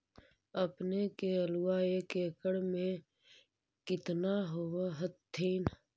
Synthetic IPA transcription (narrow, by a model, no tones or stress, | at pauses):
əpnekeəluaekeːkəɽmẽ | kɪt̪naɦowaɦət̪ʰːiːn